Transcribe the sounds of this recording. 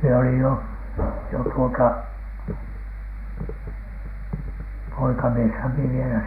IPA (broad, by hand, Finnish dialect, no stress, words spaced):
mie olij jo jo tuotɑ poikɑmieshæm mie ʋielæ